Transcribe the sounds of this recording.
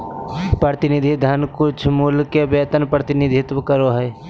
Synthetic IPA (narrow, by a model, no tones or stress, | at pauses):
pɾəɾt̪ɪnid̪ʱid̪ʱənkʊt͡ʃʰmulkebeːt̪ənpɾət̪ɪnɪd̪ʱɪt̪ʋəkəɾoɦɛː